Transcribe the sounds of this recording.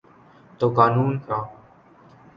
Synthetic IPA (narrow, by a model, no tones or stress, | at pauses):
t̪oːkaːnuːnkɾaː